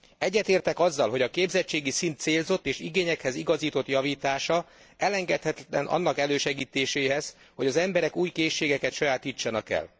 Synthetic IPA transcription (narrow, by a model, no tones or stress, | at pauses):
ɛɟːɛt̪eːrt̪ɛkɒzːɒlɦo̞ɟɒkeːbzɛt͡ʃːeːɡisint̪seːlzo̞t̪ːeːʃiɡeːɲɛkhɛziɡɒziːt̪o̞t̪jɒviːt̪aːʃɒ | ɛlɛŋɡɛt̪hɛt̪ɛnʔɒ̰nːɒkɛløːʃɛɡiːt̪eːʃeːɦɛz | ho̞ɟɒzɛmbɛɾɛkuːjkeːʃːeːɡɛkɛt̪ʃɒjaːt̪it͡ʃːɒnɒkɛ̰l